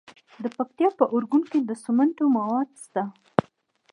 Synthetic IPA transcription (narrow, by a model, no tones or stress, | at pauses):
d̪əpak̚t̪jɑpəʔʊɾɡunked̪əsʊmaɳʈomawɑd̪̚st̪a